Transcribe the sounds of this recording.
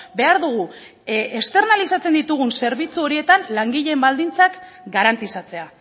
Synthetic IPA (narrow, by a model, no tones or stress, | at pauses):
be̞aɾðuɣu | est̪e̞rnalisat͡se̞nd̪it̪uɣ̞unse̞ɾβ̞it͡suo̞ɾie̞t̪anlaŋɡiʎe̞mbald̪int͡sak | ɡaɾant̪isat͡se̞a